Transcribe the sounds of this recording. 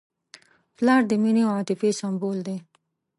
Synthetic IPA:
plɑɾd̪əmineaat̪ifesambold̪e

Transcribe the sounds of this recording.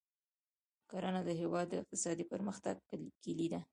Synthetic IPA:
kaɾanad̪əɦewɑd̪ːəɪq̚t̪ɪ̥sɑd̪ipəɾməxt̪aɡ̚kilid̪a

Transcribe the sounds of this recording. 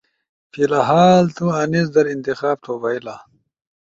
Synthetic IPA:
filaɦaːlt̪uɐnisd̪ɐɾint̪ixaːb̚t̪ʰoːbɐila

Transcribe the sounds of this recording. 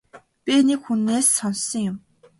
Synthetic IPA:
pʲinekxunːeːsːɔnsɞ̆ŋjʊm

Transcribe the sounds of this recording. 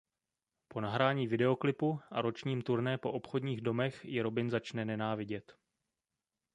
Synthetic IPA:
po̞naɦɾaːɲiːvɪdɛo̞klɪpuʔa̰ɾo̞t͡ʃɲiːmt̪uɾnɛpo̞ʔo̞pxo̞dɲiːɣdo̞mɛxjɪɾo̞bɪnzat͡ʃnɛnɛnaːvɪɟɛt̪

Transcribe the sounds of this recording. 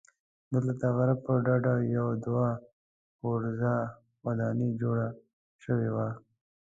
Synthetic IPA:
d̪əlat̪aɣaɾabpəɖaɖajawd̪wa | xoɾza | wad̪ɑnid͡ʒoɽa | ʃəwewa

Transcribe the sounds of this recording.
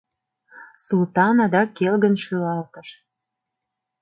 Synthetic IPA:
sult̪ɑnɑd̪ɑkːelɣənʃylɑlt̪əʃ

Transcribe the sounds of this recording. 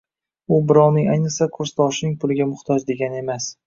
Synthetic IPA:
ʊbɪɾɒwnɪŋajnɨsakʰʊɾst̪ʰɒʃɪnɪŋpʰʊlɪɡʲamʊχt̪ʰɒd͡ʒd̪e̞ɡʲanɪe̞mas

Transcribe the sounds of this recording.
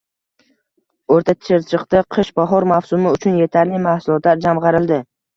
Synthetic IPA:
oɾt̪ʰat̪ʰɪ̥ʃɪɾt͡ʃʰɨqt̪ɪqʰɨʃbaɦɒɾmawsʊmɪʊt͡ʃʰʊnje̞t̪ʰaɾlɪmahsʊlˠɒt̪laɾd͡ʒamʁɑɾɪld̪ɪ

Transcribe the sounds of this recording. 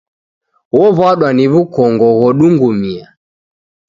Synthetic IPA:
wɔβwaɗwaniβukɔŋɡɔɣɔɗuŋɡumia

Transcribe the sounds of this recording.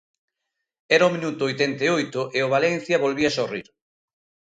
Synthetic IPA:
ɛɾɐomĩnut̪ʊojt̪ɛnt̪eojt̪ʊʔeʊβ̞alɛn̟θjɐβolβiɐsorḭɾ

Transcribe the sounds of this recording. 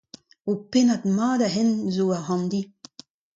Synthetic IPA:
openat̪maːdaɦɛnzoaɦɑ̃nd̪i

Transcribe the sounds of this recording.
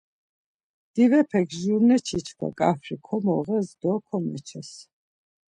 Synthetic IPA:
d̪̥ivɛpʰɛkʰʒuɾnɛt͡ʃʰit͡ʃʰka̰kʼafɾikʰɔmɔʁɛzd̪ɔkʰɔmɛ̰t͡ʃʰɛs

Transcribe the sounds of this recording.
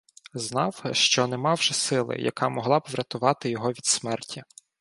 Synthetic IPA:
znɑwʃt͡ʃɔnɛmɑwʒɛsɪlˠɪ̰jɐ̰kɑmɔɦlˠɑbʋɾʲɐt̪ʊʋɑt̪ɪjɔɦɔʋʲid̪smɛrtʲʰi

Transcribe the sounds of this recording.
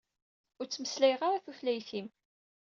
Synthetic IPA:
ʊɾt͡sːməslæjʁaɾæθuflæjθim

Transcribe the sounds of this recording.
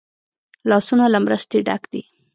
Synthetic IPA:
lɑsunalamɾəst̪eɖa̰kd̪i

